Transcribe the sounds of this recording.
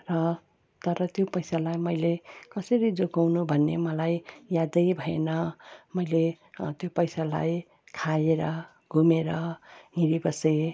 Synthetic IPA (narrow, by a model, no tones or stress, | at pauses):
rʌ | t̪ʌɾʌt̪jopʌjsalajmʌjlekʌsʌɾid͡zoɡawnubʱʌnːemʌlajjad̪ʌjbʱʌenʌmʌjle | t̪jopʌjsala̰j | kʰaeɾʌ | ɡʱumeɾʌɦĩɾibʌsʌj